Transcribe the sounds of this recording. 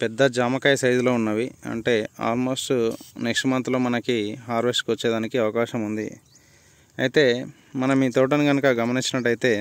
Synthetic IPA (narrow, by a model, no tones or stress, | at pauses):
pɛd̪ːɐd͡ʒaːmɐkaːjɐsɐjd̪ulo̞ːunːaːʋiɐ̰ɳʈe̞ːa̰ːlmo̞ːsʈnekʂɐmɐnt̪lo̞ːmɐnɐkiɦaːɾʋesʈkiʋɐt͡ʃːɛːd̪aːnikiɐʋɐkaːʃɐmund̪ḭ | ɐ̰jit̪e̞ː | mɐnɐmiːt̪oːʈ̬ɐnuɡɐnukɐɡɐmɐniɲt͡ʃːinɐʈːɐjit̪e̞ː